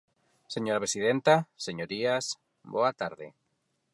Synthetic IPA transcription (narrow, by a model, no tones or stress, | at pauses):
seɲoɾapɾesið̞ent̪aseɲoɾias | boat̪aɾðḛ